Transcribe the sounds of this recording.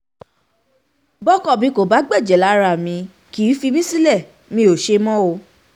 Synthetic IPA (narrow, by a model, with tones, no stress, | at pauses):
bɔ˦kɔ˦˨bĩ˨˧˦ko˨ba˨˦ɡ͡bɛ˦˨d͡ʒɛ˨la˨˦ɾa˨mĩ˧˦ | ki˨˦fi˧mĩ˦si˦lɛ˦˨ | mĩ˧o˨ʃe˧mɔ̃˦o˧